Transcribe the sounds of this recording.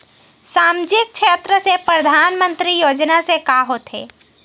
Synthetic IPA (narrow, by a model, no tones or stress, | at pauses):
saːmd͡ʒɪk̚t͡ʃʃʰeːt̪ɾəsepɾəd̪ʱaːnmə̃nt̪ɾijoːd͡ʒnasekaɦoːt̪ɦḛː